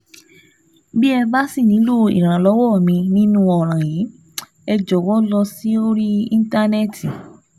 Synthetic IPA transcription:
bi˦ɛ˧ba˦si˦˨nĩ˨˦lo˦˨ḭ˨ɾ̃ã˨lɔ˨˦wɔ˦˨mĩ˧nĩ˦nũ˦ɔ˨ɾ̃ã˨jiː˨˦ | ɛ˧d͡ʒɔ˨wɔ˦lɔ˧si˦o˦ɾi˦ĩ˦n˦ta˦nɛ˦˨ti˨

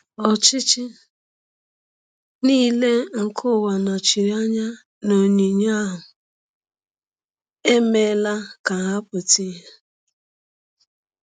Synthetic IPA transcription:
ɔ˨t͡ʃɪ˦t͡ʃɪ˦ | niː˦le˦ŋ̩˨kʰʊ˦˨wa˨na˨t͡ʃi˨ɾi˦a˦ɲa˦ | no˨ɲi˨ɲa˦ɦʊ˨ | e˦me˦la˦ka˨ɦa˦pʊ˨ti˦ɦe˦

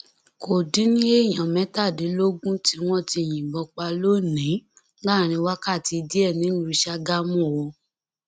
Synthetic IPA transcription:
ko˨dĩ˨˦nĩ˦e˦˨j̃ã˨mɛ̃˨˦ta˦˨di˨˦lo˦ɡũ˦ti˦w̃ɔ̃˦˨ti˧˨j̃ĩ˨bɔ˧k͡pa˧lo˦nĩ˨˦ | ɡ͡ba˦˨ɾ̃ĩ˧wa˦ka˦˨ti˧di˦ɛ˦˨nĩ˨˦lũ˧˦ʃa˧ɡa˦mũ˦˨wo˧

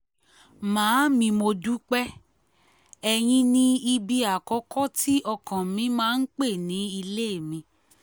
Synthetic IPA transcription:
mãː˨˦mĩ˧mo˧du˦k͡pɛ˦ | ɛ˧j̃ĩ˧˦nĩ˧i˧bi˧a˨kɔ˨˦kʰɔ˦tʰi˦ʔɔ˧kã˨mĩ˧˦mãː˦n̩˦k͡pe˦˨nĩ˨˦i˧le˦˨mĩ˧˦

